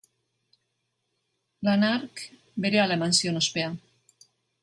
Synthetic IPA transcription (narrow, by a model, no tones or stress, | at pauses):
lanaɾk | beɾealamansionospea